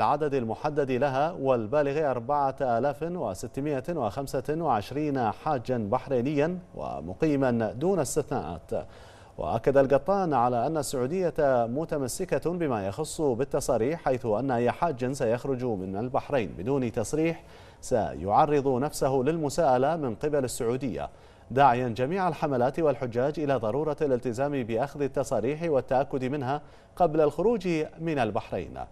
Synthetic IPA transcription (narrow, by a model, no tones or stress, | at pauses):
lʕad̪ad̪almʊħad̪ːad̪ilaɦawɪlbaːlɪɣiʔɑɾˤbaʕaʔaːlaːfwɪ̰sɪt̪ːmɪʔawɪxamsawɪʕɪʃɾiːnaħaːd͡ʒːanbaħɾeːnɪjːanwɪ̰mʊ̰qiːmand̪uːnast̪ɪθnaːʔa̰ːt̪ | wɪ̰ʔa̰kːad̪alɡɑt̪ˤːɑːnʕalaʔanːasːʊʕuːd̪ɪjːamʊt̪amasːɪkabɪmajɑxʊsˤːbɪt̪ːɑsˤɑːɾiːħːajθʊʔanːaʔɪjːaħaːd͡ʒːansajaxɾʊd͡ʒmɪnalbaħɾˤejnbɪd̪uːnt̪ɑsˤɾiːħ | sa̰jʊ̰ʕɑrˤːɨðˤunafsaɦʊlɪlmʊsaːʔalamɪnqɪbalɪsːʊʕuːd̪ɪjːa̰ | d̪aːʕɪjand͡ʒamiːʕalħamalaːt̪wɪlħʊd͡ʒːaːd͡ʒʔɪlaðˤɑɾˤuːɾˤɑlɪlt̪ɪzaːmibɪʔaxðɪt̪ːɑsˤɑːɾiːħwɪt̪ːaʔakːʊd̪imɪnɦa | qɑblalxʊɾuːd͡ʒmɪnalbaħɾḛːn